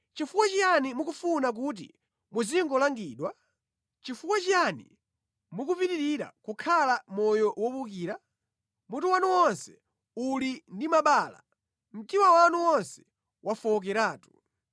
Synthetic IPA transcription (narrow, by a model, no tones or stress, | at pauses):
t͡ʃifukwat͡ʃijanimukufunak̬ut̬ḭ | muziŋɡɔlaŋɡiːɗwa | t͡ʃifukwat͡ʃijani | mukupitiɾiɾa̰kukʰalamɔjɔwɔpukiːɾa | mutuwanuwɔnsɛ̥ | ulindimaɓaːla̰ | m̩timawanuwɔnsɛ̥ | wʔafɔk̬ɛɾaːtu̥